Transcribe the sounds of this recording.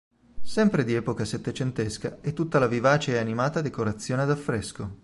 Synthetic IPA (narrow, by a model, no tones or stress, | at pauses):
sɛmpɾed̪iɛːpokaset̪ːet͡ʃent̪eskaɛt̪ːut̪ːalavivaːt͡ʃeanimaːt̪ad̪ekoɾat̪sːjoːned̪afːɾɛsko